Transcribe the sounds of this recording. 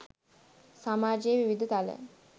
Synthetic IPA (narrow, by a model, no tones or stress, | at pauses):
samaːd͡ʒejʋiʋid̪ət̪alə̰